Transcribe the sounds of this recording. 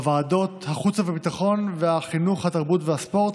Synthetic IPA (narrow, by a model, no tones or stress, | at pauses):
vaːdo̞t̪haχut͡savebit̪aχo̞nveaχinuχhat̪aʁbutveaspo̞ʁt̪